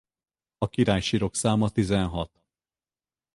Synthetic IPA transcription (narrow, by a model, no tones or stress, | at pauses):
ɒkiɾaːjʃiːɾo̞ksaːmɒt̪izɛnɦɒt̪